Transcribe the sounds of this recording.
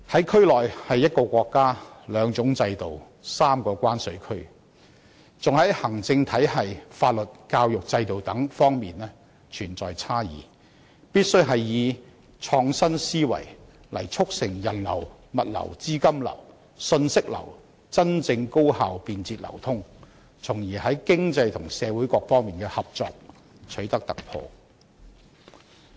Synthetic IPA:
hɐ˨˥jkʰɵ˥ɥlɔː˨jhɐ˨jːɐ˥t̚kɔː˧kʷɔː˧kːaː˥lœː˨˧ŋt͡sʊ˨˥ŋt͡sɐ˧jt̪o˨w | saː˥mkɔː˧kʷaː˥nsɵ˨˧˥ɥkʰɵ˥ɥ | t͡sʊ˨ŋhɐ˨˥jhɐ˨˩ŋt͡sɪ˧ŋt̪ʰɐ˨˥jɦɐ˨jfaː˧t̚lɵ˨t̚kaː˧wjʊ˨k̚t͡sɐ˧jt̪o˨wt̪ɐ˨˥ŋfɔː˥ŋmiː˨nɛː˥ | t͡ʃʰyː˨˩nt͡sɔː˨˩jt͡sʰaː˥jḭː˨˩ | piː˥t̚sɵ˥ɥɦɐ˨jːiː˨˧ | t͡sʰɔː˧ŋsɐ˥nsiː˥wɐ̰˨˩j | lɐ̰˨˩jt͡sʰʊ˥k̚sɪ˨˩ŋjɐ˨˩nlɐ̰˨˩w | mɐ˨t̚lɐ̰˨˩wt͡siː˥kɐ˥mlɐ̰˨˩w | sɵ˧nsɪ˥k̚lɐ̰˨˩w | t͡sɐ˥nt͡sɪ˧ŋko˥whaː˨wpiː˧nt͡siː˧t̚lɐ̰˨˩wt̪ʰʊ˥ŋ | t͡sʰʊ˨˩ŋjiː˨˩hɐ˨˥jkɪ˥ŋt͡sɐ˧jt̪ʰʊ˨˩ŋsɛː˨˧wuː˨˥jkɔː˧k̚fɔː˥ŋmiː˨nkɛː˧hɐ˨p̚t͡sɔ̰ː˧k̚ | t͡ʃʰɵ˨˥t̪ɐ˥k̚t̪ɐ˨k̚pʰɔ̰ː˧

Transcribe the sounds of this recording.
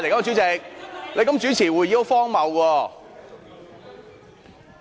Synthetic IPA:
le˨˩jkɐ˦˥˧y˨˦˥t͡sɪ˧k̚le˨˧kɐ˨˥mt͡ʃyː˨˥t͡sʰiː˨˩wuː˨˧ji˧˥fɔː˥ŋmɐ˨˧wkɔː˧

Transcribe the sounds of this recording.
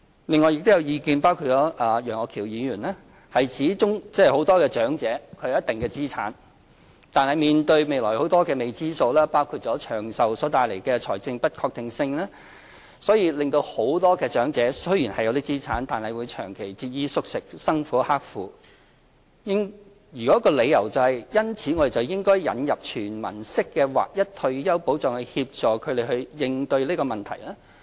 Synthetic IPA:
lɪ˨ŋːɔː˨jɪ˨k̚t̪jɐ˨˧wjiː˨˧kiː˨˧npaː˥wkʰuː˧t̚t͡ʃɔː˨˥ʔaː˨˩jœː˨˩ŋɔː˨˧kʰiː˨˩wjiː˨˧jyː˨˩nlɛː˥ | hɐ˨jt͡sʰiː˨˥t͡ʃʊ˥ŋt͡sɛː˥˨ho˨˧˥wt̪ɔː˥kɛː˧t͡ʃœː˨˥ŋt͡sɛː˨˥kʰɵ˨˧ɥjɐ˥t̚t̪ɪ˨ŋkɛː˧t͡siː˥t͡sʰa̰ː˨˥n | t̪aː˨nhɐ˨jmiː˨nt̪ɵ˧ɥme˨˧jlɔː˨˩jho˨˥wt̪ɔː˥kɛː˧me˨˩jt͡siː˥so˧wlɛː˥paː˥wkʰuː˧t̚t͡ʃɔː˨˥t͡ʃʰœː˨˩ŋsɐ˨wsɔː˨˥t̪aː˨˧jle˨˩jkɛː˧t͡ʃʰɔː˨˩jt͡sɪ˧ŋpɐ˥t̚kʰɔː˧k̚t̪ɪ˨ŋsɪ˧ŋlɛː˥ | sɔː˨˥jiː˧lɪ˨ŋt̪o˧who˨˥wt̪ɔː˥kɛː˧t͡ʃœː˨˥ŋt͡sɛː˨˥sɵ˥ɥjiː˨˩nhɐ˨jːɐ˧wt̪iː˥t͡siː˥t͡sʰaː˨˥nt̪aː˨nhɐ˨˩jwuː˨˧jt͡ʃʰœ̰ː˨˩ŋkʰe˨˩jt͡siː˧t̚jiː˥sʊ˥k̚sɪ˨k̚sɐ˥ŋfuː˨˥haː˥k̚fuː˨˧ | jɪ˥ŋ | jyː˨kɔ˨˥kːɔː˧le˨˧jːɐ˨˩wt͡sɐ˨hɐ˨˩jjɐ˥nt͡sʰiː˨˥ŋɔː˨˧e˨jt͡sɐ˨˩wjɪ˥ŋkɔː˥jjɐ̰˨˧njɐ˨p̚t͡ʃʰyː˨˩nmɐ̰˨˩nsɪ˥kːɛː˧wa̰ː˨k̚jɐ˥t̚t̪ʰɵ˧ɥjɐ˥wpo˨˥wt͡sɔː˨˧ŋhɵ˧hiː˧p̚t͡ʃɔː˨kʰɵ˨˧d̪e˨˩hɵ˧ɥjɪ˨ŋt̪ɵ˧ɥliː˥kɔː˧mɐ˨nt̪ʰɐ̰˨˩jlɛː˥

